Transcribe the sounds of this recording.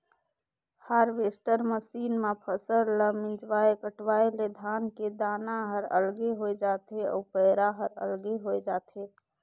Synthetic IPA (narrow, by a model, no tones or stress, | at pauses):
haɾʋesʈəɾməsiːnmãpʰəsəɾləmɪ̃d͡ʒʋaekəʈʋaːeled̪ʱaːnked̪aːnaɦəɾə̰lɡeɦoed͡ʒat̪eɔ̰ːpəɪɾaɦəɾə̰lɡeɦoed͡ʒat̪ʰe